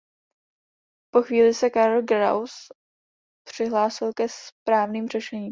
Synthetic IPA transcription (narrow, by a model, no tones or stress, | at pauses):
poxviːlɪsɛkaɾlɡɾa̰ws | pr̝̥ɪɦlaːsɪlkɛspɾaːvniːmr̝ɛʃɛɲiː